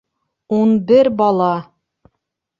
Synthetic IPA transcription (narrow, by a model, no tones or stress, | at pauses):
unbɘɾbɑlˠɑ